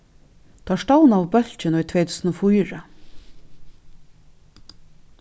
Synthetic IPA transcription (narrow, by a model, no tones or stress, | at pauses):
t̪ʰaaʂtawnawbœl̥t͡ʃɪnɔjt̪ʰvɛːjt̪ʰuːsnɔfujɾa